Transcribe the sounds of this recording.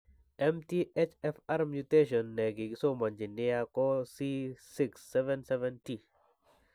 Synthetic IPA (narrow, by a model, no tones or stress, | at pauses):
ɛmtiet͡ʃɛfaɾmjuteʃ̬ɔnːɛɡɪkɪsomɔɲd͡ʒɪnːɪjakɔsisɪksːɛvɛnsɛvɛnti